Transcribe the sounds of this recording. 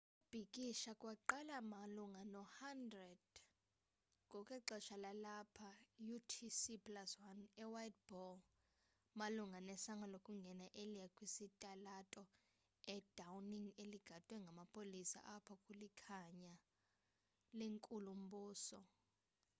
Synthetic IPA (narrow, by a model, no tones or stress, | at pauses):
kub̥ʱikʼiʃakʼwaǃalamaluŋanɔhandrɛd̥ | kɔkʼɛǃɛʃalalapʰajutʰisipʰʼlaswanɛwajt̚b̥ɔl | maluŋɡʱanɛsaŋalokʼuŋɡʱɛnaʔelijakʼwisitʼalatʼɔ | ɛd̥awniŋeliɡ̥ʱatʼwɛŋɡʱamapʰolisa̰ʔapʰɔkʼulikʰaɲa | leŋkʼulum̩buːsɔ